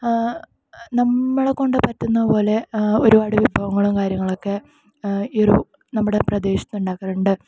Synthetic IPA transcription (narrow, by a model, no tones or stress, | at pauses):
nɐmːɐɭeko̞ɳɖɨpɐt̪ːunːɐðɨpo̞ːle̞o̞ɾubaːɽɨʋibʱɐʋɐŋːɐɭumkaːɾjɐŋːɐɭokːe̞ | irṵ | nɐmːuɽeprɐd̪e̞ːɕɐ̥t̪nuɳɖaːkːɐruɳɖɨ